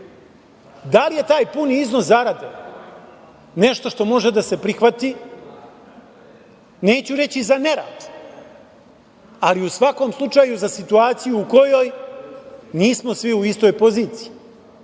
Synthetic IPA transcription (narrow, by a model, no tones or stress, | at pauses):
d̪alije̞t̪aːjpuniizno̞szaɾad̪e | ne̞ʃt̪o̞ʃt̪o̞mo̞ʒed̪ase̞pɾixʋat̪i | ne̞ːt͡ɕuɾe̞t͡ɕizaneɾa̰ːd̪u̥ | aliusʋako̞ːmslˠut͡ʂaːjuzasit̪uaːt̪sijuːko̞jo̞j | niːsmosʋiuist̪o̞jpo̞ziːt̪sii